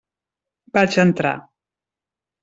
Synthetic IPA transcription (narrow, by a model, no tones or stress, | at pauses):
bat͡ʃənt̪ɾa̰